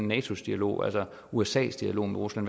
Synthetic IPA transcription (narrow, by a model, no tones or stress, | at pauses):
nːɛːt͡sʰo̝sd̥iælo̝̰ːælsɒ | uesɛ̰ːsd̥iælo̝̰ːmeʁuslæn